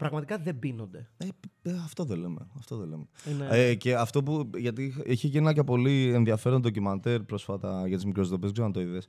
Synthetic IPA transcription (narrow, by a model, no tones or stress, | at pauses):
pɾɐɣmɐt̪ikɐðebino̞nd̪e̞eɐft̪o̞ðelemḛɐft̪o̞ðelemeece̞ɐft̪o̞puʝɐt̪ixʔiçeʝinnɐcepo̞lienðiɐfe̞ɾond̪ocimɐnt̪eɾpɾo̞sfɐt̪ɐʝɐt̪izmikɾosðopeksenɐt̪oiðes